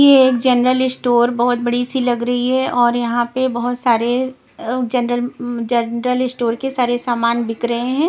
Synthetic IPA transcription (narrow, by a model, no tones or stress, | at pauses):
jeːkd͡ʒɐnɾəlɪsʈoːɾbɐɦʊt̪̚bɐɽisilɐɡɾɐɦiɦɛʔɔːɾjɐɦãpebɐɦʊt̪saːɾe | d͡ʒɐnɾəld͡ʒɐnɾəlɪsʈoːɾkesaːɾesaːmaːnbɪkɾɐɦẽɦɛ̃ː